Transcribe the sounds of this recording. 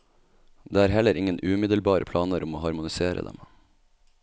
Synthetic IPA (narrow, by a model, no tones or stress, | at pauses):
d̪eːæːɾhɛləɾʔɪŋənʉːmɪd̪əlbɑːɾʔəpʰlɑːnəɾʔʊmoːhɑɾmʊnɪseːɾə̰d̪ɛ̰m